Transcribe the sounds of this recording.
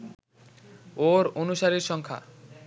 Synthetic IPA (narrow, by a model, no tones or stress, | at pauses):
oɾonuʃaɾiɾʃɔŋkʰa̰